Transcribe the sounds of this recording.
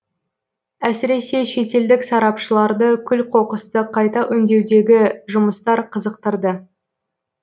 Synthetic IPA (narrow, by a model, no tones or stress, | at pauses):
æsɪɾe̞se̞ʃe̞t̪e̞ld̪ɪksɑɾɑpʃəlˠɑɾd̪əkʲʰʏlqʰo̞qəst̪əqʰɑjt̪ɑʔʏnd̪e̞wd̪e̞ɡʲɪʒʊməst̪ɑɾqʰəzəqt̪əɾd̪ə